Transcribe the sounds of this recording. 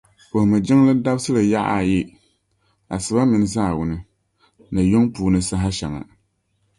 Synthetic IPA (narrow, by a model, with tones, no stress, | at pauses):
po˨hmɨ˨d͡ʒɪ˦ŋlɨ˦da˦bsɨ˦lɨ˨ja˦ʔa̰˨jɪ˦ | a̰˨sɨ˨ba˦mɨ˨n˦zaː˦˨wʊ˨nɨ˦ | nɨ˨jo˦ŋpuː˨nɨ˦sa˦ɦa˦ʃɛ˨ŋa̰˨